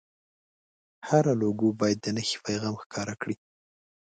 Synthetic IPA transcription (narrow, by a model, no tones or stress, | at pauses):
haɾaloɡubɑjad̪ːənəxi̥pajɣɑmxkʰɑɾakɽi